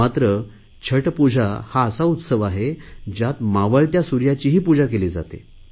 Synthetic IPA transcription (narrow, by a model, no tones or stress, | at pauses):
at̪ɾə | t͡ɕʰəʈpud͡ʑʱahaəsaut̪səʋaɦed͡ʑjat̪maʋəɭt̪jasuɾjat͡ɕiːɦiːpud͡ʑakeled͡za̰t̪ḛ